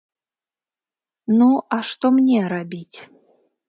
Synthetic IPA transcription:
nuʔɐʂt̪ɔmnʲɛɾabʲit͡sʲ

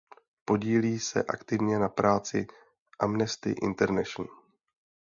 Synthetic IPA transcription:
po̞ɟiːliːsɛ̰ʔa̰kt̪ɪvɲɛnapɾaːt͡sɪ | ʔamnɛst̪ɪ̰ʔɪ̰nt̪ɛɾnɛʃn̩

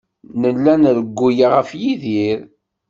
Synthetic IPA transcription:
nəlːænɾəɡʷːujaʁəfjiðiɾ

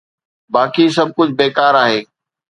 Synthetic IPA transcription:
baːkis̬ɐb̚ʱkʊd͡ʑʱbeːkaːɾaːɦeː

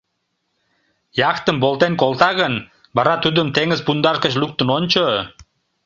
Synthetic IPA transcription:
jɑkt̪əmbolt̪enkolt̪ɑɣən | bɑɾɑt̪ud̪əmt̪eŋəzpund̪ɑrkəɕluk̚t̪ənonʲt͡ɕo

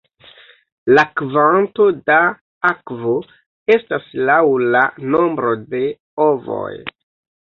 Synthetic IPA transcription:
lakvanto̞da | akvo | e̞staslawlano̞mbɾo̞de̞ | ovo̰j

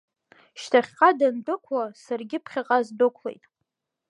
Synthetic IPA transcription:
ʃtʰaχʲqʼadandʊkʷʰasarɡʲɪpʰχʲaqʼazdɨkʷʰlḛjtʼ

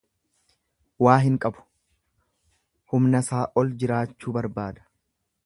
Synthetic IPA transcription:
waːɦɪŋkʼɐbʊ̥ | hʊmnɐsaːʔɔld͡ʒɪɾaːt͡ʃːuːbɐɾbaːd̪ɐ̥

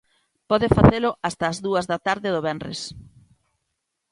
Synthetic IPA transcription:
pɔðɪfaθelʊʔast̪ɐːzðuɐzðɐt̪aɾðɪðʊβɛnrḛs

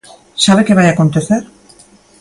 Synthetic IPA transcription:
saβ̞ekeβ̞ajako̞nt̪eθeɾ

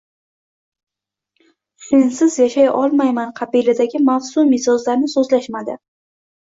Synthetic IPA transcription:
sensɪzjaʃajɒlˠmajmanqʰɑbilad̪aɡʲɪmafsʊmɪsɒzlaɾnɪsɵzlaʃmad̪ɪ̰

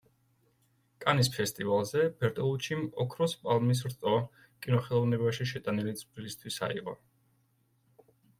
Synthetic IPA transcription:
kʼanispʰɛst̪ʼivalˠzɛb̥ɛɾt̪ʼɔlˠut͡ʃʰimɔkʰɾɔspʼalˠmis̬ɾt̪ʼɔ | kʼinɔχɛlˠɔvnɛbaʃiʃɛt̪ʼanilid̪sʼbɾilist̪ʰwisa̰ḭqʼɔ̰

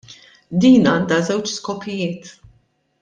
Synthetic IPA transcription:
d̪iːnɐːnd̪ɐzɛwt͡ʃskɔpʰːɪjɪːt̪

